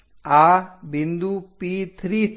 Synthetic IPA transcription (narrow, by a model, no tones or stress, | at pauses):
aːbind̪upit̪ʰɾiː